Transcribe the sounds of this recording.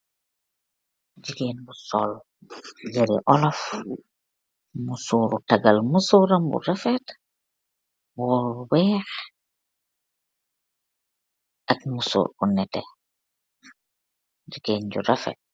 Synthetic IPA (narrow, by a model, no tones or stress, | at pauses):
d͡ʒiɡeːnbusɔl | jaɾḭʔɔlɔf | musuɾutaɡalmusuɾambṵɾafɛt | wɔwɛːx | ʔakmusṵːɾunɛtɛ | d͡ʒiɡeːnd͡ʒṵɾafɛ̰t̚